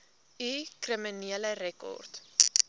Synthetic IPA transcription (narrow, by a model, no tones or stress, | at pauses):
ikriminiələɾɛkɔ̰rt